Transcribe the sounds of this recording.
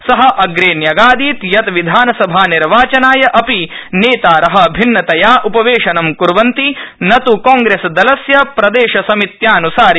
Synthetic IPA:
sɐɦɐʔɐɡɾeːnjɐɡaːd̪iːt̪jɐt̪ʋid̪ʱaːnɐsɐbʱaːniɾʋaːt͡ʃɐnaːjɐʔɐpineːt̪aːɾɐɦɐ̆bʱinːɐt̪ɐjaːʔupɐʋeːʃɐnɐmkuɾʋɐnt̪inɐt̪ukaːŋɡɾeːsd̪ɐlɐsjɐpɾɐd̪eːʃɐsɐmit̪jaːnusaːɾ

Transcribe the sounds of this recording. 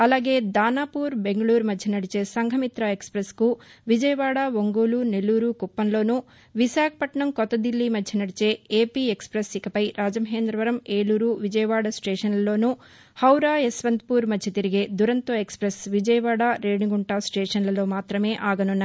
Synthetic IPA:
ɐlaːɡe̞ːd̪aːnaːpuːɾbe̞ŋɡɐɭuːɾmɐdʱːɐnɐɽit͡ʃe̞ːsɐŋɡʱɐmit̪ɾaekspɾɐskuʋid͡ʒɐjɐʋaːɽaːʋoŋɡuːlunelːuːɾuːkupːɐnlo̞ːnu | ʋisaːkʰɐ̥pɐʈɳɐmkɔt̪ːɐd̪ilːimɐːɐnɐɽit͡ʃe̞ːeːpiːekspɾɐsikɐpɐjɾaːd͡ʒɐmɐɦeːnd̪ɾɐʋɐɾɐmeːluːɾuːʋid͡ʒɐjɐʋaːɽasʈeːʂɐnlɐlo̞ːnu | hɐwɾaːesʋɐnd̪puːɾmɐdd͡ʒit̪iɾiɡeːd̪uɾɐnt̪oːekspɾɐsʋid͡ʒɐjɐʋaːɽaːɾeːɽiɡuɳʈaːsʈeːʂɐnlɐlo̞ːmaːt̪ɾɐme̞ːʔaːɡɐnunːɐ

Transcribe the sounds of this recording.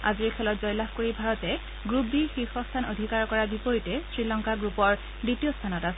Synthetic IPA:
aziɹkʰɛlɔtzɔjlaxkoɹibʱaɹɔtɛ | ɡɹubixixɔstʰanodʱikaɹkɔɹabipoɹitɛsɹilɔŋkaɡɹupɔɹ | ditijost̪ʰanɔtasɛ

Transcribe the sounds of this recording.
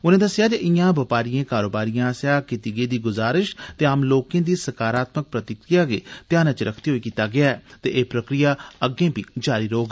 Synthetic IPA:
ʊnẽːd̪əsɪjaːd͡ʒeʔɪjãːbɪpaːɾijẽːkaːɾoːbaːɾijãːsjaːkɪt̪iɡeːd̪iːɡʊzaːɾɪʃt̪eːaːmloːkẽːd̪iːsəkaːɾaːt̪mək̚pɾət̪ɪkɾijaːɡeːt̪jãːnet͡ʃɾəkʰt̪iːɦoːiːkiːt̪aːɡɪaːɛːt̪eːʔeːpɾəkɾijaːəɡẽːpiːd͡ʒaːɾiːɾɐɦoːɡ

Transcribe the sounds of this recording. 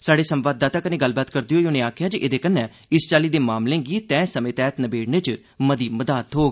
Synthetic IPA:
saːɖeːsəmʋaːd̪ːaːt̪aːkəneːɡəlbaːt̪kəɾd̪ijoːoːnẽːaːkʰjãːd͡ʒiʔeːd̪eːkənːɛ̃ː | ɪst͡ʃaːliːd̪eːmaːmlẽːɡiːt̪ɛ̃ːsəmẽːt̪ɛːt̪nəbeːɽneːt͡ʃ | məd̪iːməd̪aːt̪ɦoːɡ

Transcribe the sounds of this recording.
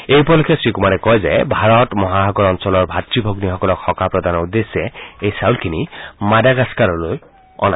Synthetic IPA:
ejpɔlɔkɛsɹikumaɹɛkɔjzɛ̰bʱaɹɔtmɔɦaɦɔɡɔɹɔnsɔlɔɹbʱatɹibʱoɡnixɔkɔlɔkxɔkapɹɔd̪anɔud̪esːɛejsawlkʰinimadaɡaskaɹɔloj | ɔ̰na

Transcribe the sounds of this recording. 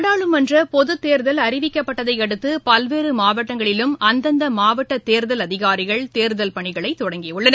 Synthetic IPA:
ɽaːɭɯmɐndrɐpɔðɯt̪ːeːɾðɐlɐɾɪʋɪkːɐpːɐʈːɐðɐɪɛɽɯt̪ːɯpɐlʋeːɾɯmaːʋɐʈːɐŋɡɐɭɪlɯmɐnd̪ɐnd̪ɐmaːʋɐʈːɐt̪ːeːɾðɐlɐðɪɣaːɾɪɣɐɭt̪eːɾðɐlpɐɳɪɣɐɭɐɪt̪ːɔɽɐŋɡɪʊɭːɐn

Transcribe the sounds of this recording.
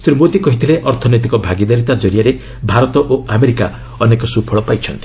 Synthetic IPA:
sɾimot̪ikɔɦit̪ʰileʔɔɾt̪ʰɔnet̪ikɔbʱaɡid̪aɾit̪ad͡ʒɔɾijaɾe | bʱaɾɔt̪ɔʔoameɾika | ɔnekɔsupʰɔɭɔpajt͡ʃʰʌnt̪i̥

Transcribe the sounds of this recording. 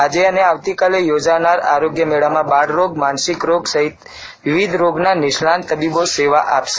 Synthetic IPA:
ad͡ʒeəneaʋt̪ikalejod͡ʒanaɾa̰ɾoɡjəmeɭamãbaɽɾoɡmansikɾoɡsəɦit̪ | ʋɪʋid̪ʱɾoɡnanɪʃlant̪əbiboseʋaʔapʃe

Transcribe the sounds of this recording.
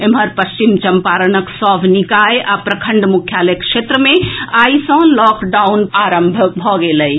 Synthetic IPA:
emɦəɾpəst͡ʃimt͡ʃɐmpaːɾənəksɔbʱnikaeʔapɾəkʰəɳɖmukʰjalekʃet̪ɾəmẽaːisə̃lɔːkɖaunaːɾəmbʱəbʱɔɡeləj

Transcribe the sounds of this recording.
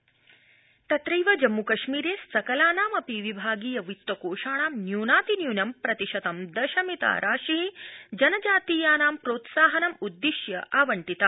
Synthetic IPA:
t̪ɐt̪ɾɐjʋɐd͡ʒɐmːukɐʃmiːɾeːsɐkɐlaːnaːmɐpiʋibʱaːɡiːjɐʋit̪wɐkoːʃaːɳaːmnjuːnaːt̪injuːnɐmpɾɐt̪iʃɐt̪ɐmd̪ɐʃɐmit̪a̰ːɾʔa̰ːʃiɦid͡ʒɐnɐd͡ʒaːt̪iːjaːnaːmpɾoːt̪saːɦɐnɐmud̪ːiʃjɐʔaːʋɐɳʈit̪a

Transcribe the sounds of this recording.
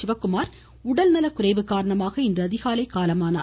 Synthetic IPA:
ɪʋɐkːɯmaːɾ | ʊɽɐlnɐlɐkʊrɐɪʋɯkːaːɾɐɳɐmaːɣɐɪndrɐːðɪɣaːlɐɪkaːlɐmaːna̰ː

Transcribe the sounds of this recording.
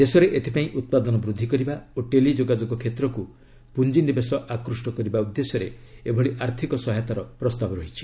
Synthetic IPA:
d̪̥esɔɾeʔet̪ʰipaĩʔut̪̚pad̪ɔnɔbɾud̪ʱːikɔɾibaoʈelid͡ʒoɡad͡ʒɔɡɔkʰet̪ɾɔku | pund͡ʒinibesɔʔakɾusʈɔkɔɾibaud̪ːesɔɾeebʱɔɭiʔaɾt̪ʰikɔsɔɦat̪aɾɔpɾɔst̪abɔɾɔɦit͡ʃʰi̥

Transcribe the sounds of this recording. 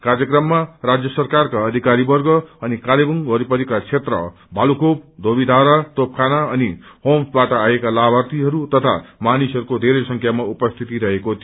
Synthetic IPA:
karjʌkrʌmːarad͡zjʌsʌrkarkaʌːd̪ʱikaɾibʌrɡʌʌnikalebʌŋɦʌɾipʌɾikat͡sʰet̪rʌ̰ | bʱalukʰopd̪ʱobid̪ʱaɾat̪op̚kʰanaʌnihomsbaʈʌajekalabʱʌrt̪iɦʌɾut̪ʌt̪ʰa̰manisɦʌɾukod̪ʱeɾesʌŋkʰjamaupʌst̪ʰit̪iɾʌɦekot̪ʰio

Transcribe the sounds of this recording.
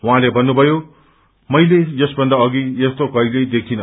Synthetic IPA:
wɦãlebʱʌnːubʱʌjo | mʌjlejʌsbʌnd̪aʌɡiest̪okʌilejd̪ek̚ʰinʌ

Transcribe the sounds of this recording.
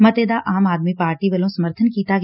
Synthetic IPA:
mɐt̪eːd̪aʔaːmaːd̪mipaːɾʈiʋɐlõsɐməɾt̪ʰənkiːt̪aɡ

